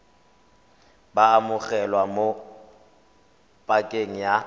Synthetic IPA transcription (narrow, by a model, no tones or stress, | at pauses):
baːmʊɣɛlwamo | pʼakʼeŋ̩ja